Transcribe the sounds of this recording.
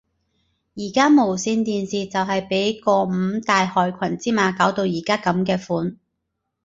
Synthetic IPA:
jiː˨˩kaː˥mo˨˩wsiː˧nt̪iː˨˧nsiː˨t͡sɐ˨wɦɐ˨jpe˨˥jkɔː˧m̩ː˨˧t̪aː˨jhɔː˨jkʷʰɐ˨˩nt͡siː˥maː˨˧kaː˨˥wt̪o˧wjiː˨˩kaː˥kɐ˨˧˥mkɛː˧fuː˨˥n

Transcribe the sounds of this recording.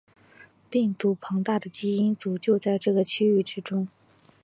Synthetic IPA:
pi˥˩ŋt̪u˧˥pʰɤ˧˥ŋt̪a˥˩d̪ə˩t͡ɕi˥i˥nt͡su˨˩t͡ɕjo˥˧ʊt͡sa˥˧ɪʈ͡ʂɤ˥˩ɡə˩t͡ɕʰy˥y˥˩ʈ͡ʂɻ̩˥ʈ͡ʂʊ˥ŋ

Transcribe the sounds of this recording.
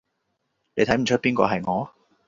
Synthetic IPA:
le˨˧jt̪ʰɐ˨˥jm̩˨˩t͡ʃʰɵ˥t̚piː˥nkɔ̰ː˧ɦɐ˨jŋɔː˨˧˦

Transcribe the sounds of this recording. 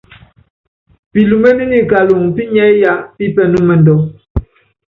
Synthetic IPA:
pi˨lu˨me˦ni˦ni˨ka˨lu˨ŋpi˦ɲɛ˦ja˦pi˦pɛ˦nu˦mɛ˨ndɔ˨

